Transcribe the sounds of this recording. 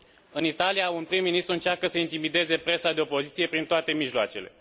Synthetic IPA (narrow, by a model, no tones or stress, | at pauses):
ɨnit̪alijaunpɾimːinist̪ɾuɨnt͡ʃarkəsəint̪imid̪e̞ze̞pɾe̞sad̪e̞opo̞zit̪sije̞pɾint̪oat̪e̞miʒloat͡ʃe̞̰le̞̰